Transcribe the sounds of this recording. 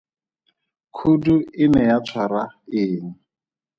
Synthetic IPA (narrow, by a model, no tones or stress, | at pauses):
kʰuduɪnɛjat͡sʰwaɾaɪːŋ̩